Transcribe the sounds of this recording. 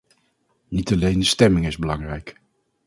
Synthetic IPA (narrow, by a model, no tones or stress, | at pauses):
nitɑlejndəstɛmɪŋɪzbəlɑŋrɛjk